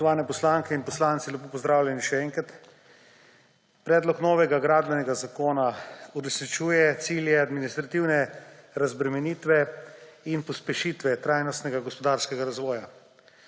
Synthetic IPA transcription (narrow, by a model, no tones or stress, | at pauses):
ɔʋaːnɛpɔslaŋkɛinpɔslaːnt̪silɛpoːpɔzd̪ɾaːwljɛniʃɛɛːŋkɾat̪ | pɾɛːd̪lɔknɔːʋɛɡaɡɾaːd̪̚bɛnɛɡazakoːnauɾɛsnit͡ʃuːjɛt̪siːljɛad̪minist̪ɾat̪iwnɛɾazbɾɛmɛniːt̪ʋɛinpɔspɛʃit̪ʋɛt̪ɾaːjnɔst̪nɛɡaɡɔspɔd̪aɾskɛɡaɾazʋɔːja